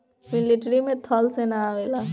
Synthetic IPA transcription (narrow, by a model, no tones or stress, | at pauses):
mɪlɪʈɾimẽt̪ʰɔːlsenaʋeːla